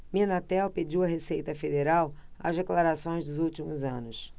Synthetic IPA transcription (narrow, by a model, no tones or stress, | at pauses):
minat̪ɛwped͡ʒiwɐɦesejt̪ɐfed̪eɾawɐ̰zd̪eklaɾasõj̃zd̪ʊzuwt͡ʃimʊzɐ̃nʊs